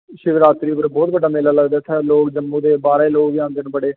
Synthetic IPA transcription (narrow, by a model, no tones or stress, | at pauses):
ʃɪʋɾaːt̪ɾiːopəɾbɔːt̪̚bəɖaːmeːlaːləɡd̪aːt̪ʰːaːloːkd͡ʒəmːũːd̪eːbaːɾeiːloːkʋɪjãːnd̪eːnbəɽeː